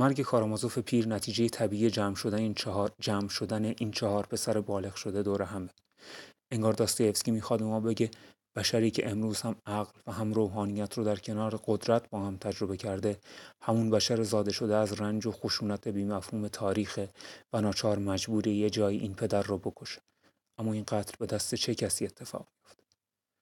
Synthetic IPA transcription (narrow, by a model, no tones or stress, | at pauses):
mæɾɟe̞kʰɒːɾɑːmɒzofe̞pʰiːɾnæt̪ʰiːd͡ʒe̞jet̪ʰæbiːijed͡ʒæːmʃod̪ænd͡ʒæːmʃo̞d̪æneʔiːnt͡ʃʰɒhɒːɾpʰe̞sæɾebɒːle̞ɣʃo̞d̪e̞d̪oːɾeɦæme | eŋɡɒːɾd̪ɒːst̪ejefskʲcimiːxɒːd̪̚bemɒːbe̞ɟe̞ | b̥æʃæɾiːcʰeʔemɾuːz̥hæmæɣlvæɦæmɾoːɦɒːnijæt̪ʰɾɔːd̪æɾcʰe̞nɒːɾeɡod̪ɾæt̪ʰbɒːhæmt̪ʰæd͡ʒɾo̞be̞cʰæɾd̪e̞hæmunbæʃæɾezɒːd̪e̞ʃo̞d̪eæzrænd͡ʒoxoʃuːnæt̪ʰe̞biːmæfhuːme̞t̪ʰɒːɾiːxevænɒːt͡ʃʰɒːɾmæd͡ʒbuːɾejed͡ʒɒːjiːʔinpʰe̞d̪æɾːɔːbo̞kʰo̞ʃe̥ | ʔæmːɒːinɡæt̪ʰlbe̞d̪æst̪e̞t͡ʃʰe̞cʰæsiːet̪ʰːe̞fɒ̰ːʁ̥mijo̞ft̪